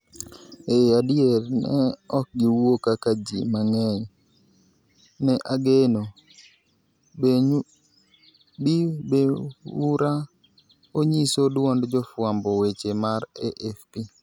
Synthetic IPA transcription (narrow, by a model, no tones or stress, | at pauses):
eadɪeɾnɛ̰ɔk̚ɡɪwokakad͡ʒimaŋɛj | nɛʔaɡeno | bibeuɾa | oɲisodwɔndd͡ʒɔfwambɔwet͡ʃemaɾeʔɛfpi